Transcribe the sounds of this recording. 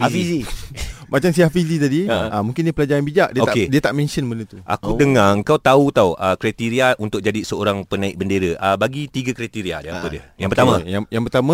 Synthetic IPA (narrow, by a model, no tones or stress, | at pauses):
afizimʔat͡ʃams̬iaʔfizit̪adiamũŋkɪndipəlad͡ʒaɾanbid͡ʒaʔdiəot̪akediət̪aʔmɛ̃nʃənmənut̪uʔa̰kudəŋaəŋkawt̪aut̪awʔəkɾat̪iɾiaʔunt̪ʊk̚d͡ʒadisəoɾaŋpənãik̚bəndeɾəʔəbaɡit̪iɡakɾat̪iɾia̰dalapədiəjãŋpəɾt̪amãjaŋjaŋpərt̪amã